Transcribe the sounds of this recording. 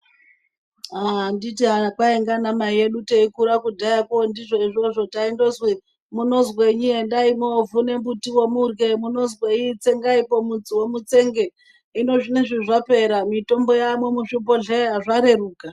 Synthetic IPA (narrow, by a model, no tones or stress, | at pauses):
anditiɦaakwaeŋɡanamaije̞ɗuteikuɾakudʱajakondiʐo̞iʐo̞ʐo̞taindozwe | muno̞zweɲiendaimovune̞mbutiwomurɡe̞munozweit͡se̞ŋɡaipo̞mud͡ziwomut͡se̞ŋɡe | ino̞ʐineʐiʐape̞ɾamito̞mbo̞jamwomuʃubo̞ɮeɦaʐaɾe̞ruːka